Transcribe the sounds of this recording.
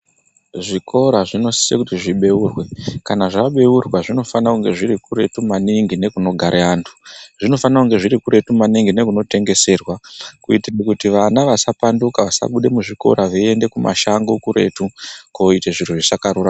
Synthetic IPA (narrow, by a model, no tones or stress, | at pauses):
ʐikʰo̞ɾaʐino̞si̥sekutiʐiɓe̞uːrwe̞kanaʐaɓe̞urwaʐino̞fanakuŋɡe̞ʐiɾikuɾe̞tumaniŋɡine̞kuno̞ɡʱaɾʔeaːntʰu̥ʐ̥ino̞fanakuŋɡe̞ʐiɾikuɾetumaniŋɡine̞kuno̞te̞ŋɡe̞se̞ːrwakuitirekutiʋanaʋasapandukaʋasa̰ɓuɗe̞muʐiko̞̰ɾaʋee̞nde̞kuma̰ʃaŋɡo̞kuɾe̞̰tukoiteʐituʐisakarura